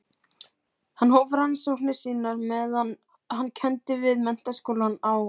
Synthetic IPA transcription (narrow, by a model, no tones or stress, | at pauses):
hanːhoːvɾansowknɪsiːnaɾmɛðan | hanːcʰɛnt̪ɪvɪðmɛn̥t̪askoːlanaw